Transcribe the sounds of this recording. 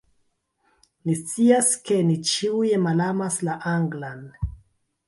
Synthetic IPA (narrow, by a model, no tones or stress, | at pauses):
nist͡siaske̞nit͡ʃiujemalamaslaʔaŋɡlan